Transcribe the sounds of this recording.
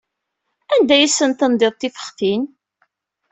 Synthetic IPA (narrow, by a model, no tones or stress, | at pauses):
ænd̪æjəsːənt̪ənd̪ɪðˤt̪ːifə̥χθin